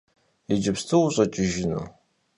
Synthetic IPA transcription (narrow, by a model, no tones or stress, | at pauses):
id͡ʒɪpstʰɨwuɕʼɐt͡ʃʼɪʒɪnṵ